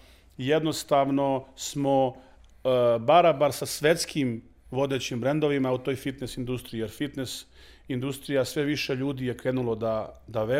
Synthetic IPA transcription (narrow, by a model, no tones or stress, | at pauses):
jed̪no̞st̪aʋno̞smo | baɾabaɾsasʋet̪skʰim | ʋo̞d̪e̞t͡ɕimbɾe̞nd̪o̞ʋimaut̪o̞ːjfit̪nesind̪ust̪ɾijijeɾfit̪nes | ind̪ust̪ɾijasʋe̞ʋiʃeʎuːd̪ije̞kɾenulˠod̪ad̪aʋe